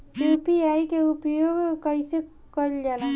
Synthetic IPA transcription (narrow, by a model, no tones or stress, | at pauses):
upiaikeupjoɡkəse | kəɾld͡ʒala